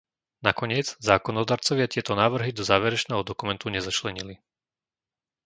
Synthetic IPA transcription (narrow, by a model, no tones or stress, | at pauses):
nakɔɲɪɛd͡zzaːkɔnɔd̪aːɾt͡sɔʋɪat̪ɪɛt̪ɔnaːʋr̩ɦid̪ɔzaːʋɛɾɛt͡ʃnɛːɦɔd̪ɔkumɛnt̪uɲɛzat͡ʃlɛɲili